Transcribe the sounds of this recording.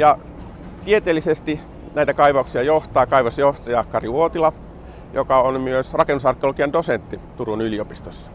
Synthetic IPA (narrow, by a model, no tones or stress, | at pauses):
jɑ | t̪iet̪eːlːisest̪i | næit̪ækɑiʋɑuksiɑjoht̪ɑːkɑiʋɑsjoht̪ɑjɑːkːɑriuot̪ilɑ | jo̰kɑonmyøsrɑkenːusɑrkːiolkiɑndosent̪ːit̪urunyliopist̪osːɑ̥